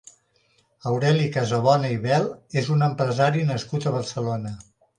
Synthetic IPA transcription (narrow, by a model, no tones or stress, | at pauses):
əwɾɛlikəzəβ̞ɔnəiβɛlˠezunəmpɾəzaɾinəskut̪əβ̞əɾsəlonə